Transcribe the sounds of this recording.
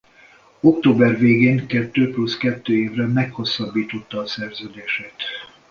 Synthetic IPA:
o̞kt̪oːbɛrveːɡeːŋkɛt̪ːøːpluskɛt̪ːøːeːvrɛmɛkho̞sːɒbːiːt̪o̞t̪ːɒːsɛrzøːd̪eːʃɛt̪

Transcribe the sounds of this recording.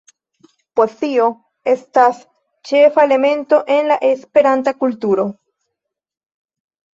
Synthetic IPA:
po̞stio̞ | e̞stas | t͡ʃe̞faele̞me̞nto̞ʔe̞nlaʔe̞spe̞ɾantakultuɾo̞

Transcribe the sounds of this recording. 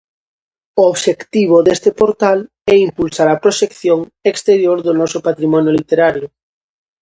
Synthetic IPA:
ooβʃekt̪iβ̞oðest̪epoɾt̪al | ɛimpulsaɾɐpɾoʃekθjoŋ | ekst̪eɾjoɾðonɔsopat̪ɾimɔ̃njolit̪eɾaɾjʊ

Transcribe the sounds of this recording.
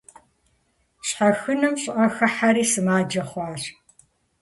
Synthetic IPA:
ɕħaɐxɨnɨmɕʼʔɐxɐħaɾiːsɨmaːd͡ʒɐχʷɑːɕ

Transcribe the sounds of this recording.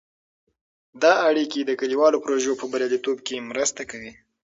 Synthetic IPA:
d̪ɑaɽikid̪əkaliwɑlopɾoʒopəbaɾjɑlit̪ob̚kemɾəst̪akawi

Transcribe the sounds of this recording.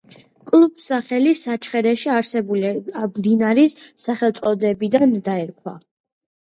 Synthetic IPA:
kʼlˠubsaχɛlisat͡ʃʰχɛɾɛʃiaɾsɛbuliamd̪inaɾisːaχɛlˠt̪sʼɔd̪ɛbid̪and̪aɛɾkʰwa̰

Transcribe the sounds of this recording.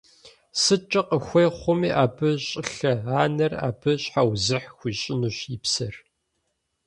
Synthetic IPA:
sɨt͡ʃʼɐqəxʷeːχʷʊmiːʔaːbɨɕʼɪɬɐaːnɐra̰ːbɨɕħawzɨħxʷiːɕʼɪnuːɕipsɐr

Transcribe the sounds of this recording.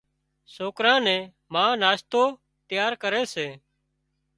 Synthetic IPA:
soːkɾãːnɛ̃ː | mãːnaːst̪oː | t̪ɪjaːɾkəɾeːseː

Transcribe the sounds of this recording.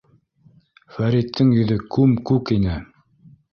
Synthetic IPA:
fæɾit̪ʰːɘŋjɵ̆ðɵkʉmkʉkinɘ

